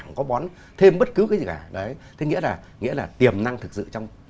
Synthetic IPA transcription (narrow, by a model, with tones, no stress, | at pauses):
ŋkɔ˨˦ɓɔ˨˦n | t̪ʰe˧mɓə˦˥t̚kɨ˨˦kaː˨˦jzi˨˩kaː˧˩ɗə˨˦jt̪ʰe˨˦ŋḭ˧˥əlaː˨˩ | ŋḭ˧˥əlaː˨˩t̪i˨˩əmna˧ŋt̪ʰɨ˨˩k̚sɨ̰˧˨t͡ɕɔ˧wŋ͡m